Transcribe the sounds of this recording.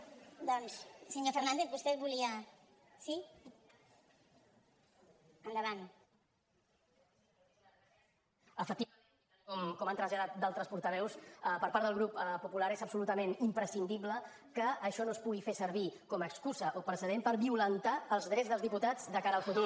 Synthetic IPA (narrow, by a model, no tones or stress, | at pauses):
d̪ɔnssəɲofəɾnand̪ek̪βust̪ɛβuliə | si | ənd̪əβan | əfək̚t̪iə | kɔmkɔmant̪ɾəzʎaðat̪̚d̪alˠt̪ɾəspuɾt̪əβɛwspəɾpaɾðəlˠɣɾuppupulaɾezəpsulut̪əmenimpɾəsind̪iβlə | kəːʃɔnospuɣifesəɾβ̞ikɔməkskuzəʔopɾəsəðempəɾβiulənt̪aəlˠzðɾɛzðəlzðiput̪ad͡zd̪əkaɾəːlˠfut̪u